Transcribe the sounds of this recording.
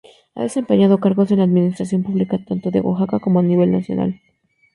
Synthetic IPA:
a̰ðesempeɲaðokaɾɣosenlaːðminist̪ɾas̬jo̞mpuβlikat̪ant̪oðḛɣwa̰xakakomoaniβe̞lna̰sjo̰na̰l

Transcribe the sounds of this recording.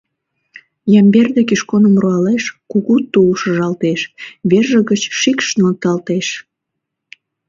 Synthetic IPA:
jɑmberd̪ekiʃkonəmruɑleʃkuɣut̪ːuʃəʒɑlt̪eʃβerʒəɣət͡ɕʃikʃnmək̚t̪ɑlt̪eʃ

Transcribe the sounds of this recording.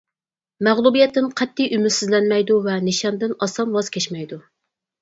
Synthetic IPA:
mæʁlˠubijɛt̪ʰːɪnqʰɛt̪ʰːijymɪd̪sɪzlɛnmɛjd̪uvɛnɪʃɑnd̪ɪnɑsɑnwɑz̥kʲʰɛt͡ʃmɛjd̪u

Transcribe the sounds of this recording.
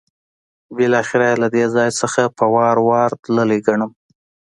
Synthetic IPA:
bɪlɑxɪɾajlad̪ezɑjsəxapəwɑɾwɑɾt̪ləleɡaɳəm

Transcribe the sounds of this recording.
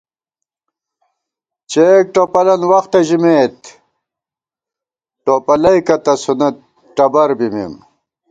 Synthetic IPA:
t͡ɕek̚ʈopɐlɐnwɐxt̪ɐʑimeːt̪ | ʈopɐlɐikɐt̪ɐsunɐt̪̚ | ʈɐbɐɾbimḭm

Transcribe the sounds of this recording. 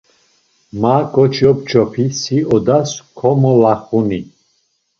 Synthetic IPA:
makʼɔt͡ʃʰjɔp̚t͡ʃʰɔpʰisiɔd̪askʰɔmɔlaχuni

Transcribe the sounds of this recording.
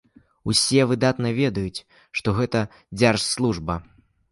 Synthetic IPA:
usʲɛvɨd̪at̪nɐvʲɛd̪ɐjut͡sʲ | ʂt̪ɔɣɛt̪ɐ | d͡zʲarʂslˠuʐbɐ

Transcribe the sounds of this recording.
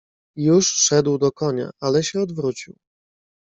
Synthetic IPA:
juʂʂɛd̪wd̪ɔkɔɲa̰ʔalɛɕɛɔd̪vɾut͡ɕiw

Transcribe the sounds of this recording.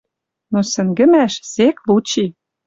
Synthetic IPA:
nosɘ̆ŋɡə̆mæʃseklut͡ɕi

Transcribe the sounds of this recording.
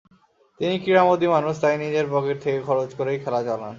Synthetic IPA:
t̪inikiɾamod̪imanuʃt̪ajnid͡ʑeɾbɔɡeɾt̪ʰekekʰɔɾod͡ʑkoɾejkʰɛlat͡ɕɔlan

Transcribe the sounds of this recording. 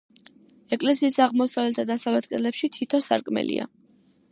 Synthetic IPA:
ɛkʼlɛsiːsaʁmɔsavlɛt̪ʰad̪asavlɛt̪̚ʰɡʼɛlɛpʃit̪ʰit̪ʰɔsa̰ɾkʼmɛ̰lḭa̰

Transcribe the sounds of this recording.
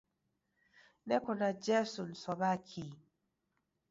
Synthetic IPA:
nɛkɔnad͡ʒɛsun̩sɔβakʰi

